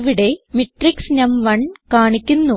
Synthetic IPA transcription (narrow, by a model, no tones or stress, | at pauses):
ʋiɽemiʈriksnɐmʋɐɳkaːɳikʲːunːu